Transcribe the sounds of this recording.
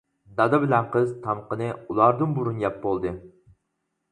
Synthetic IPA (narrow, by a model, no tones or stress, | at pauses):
d̪ɑd̪ɨbɪlɛnqʰəzt̪ʰɑmqənɨulˠɑɾd̪ɨnbuɾunjɑp̚bolˠd̪ɨ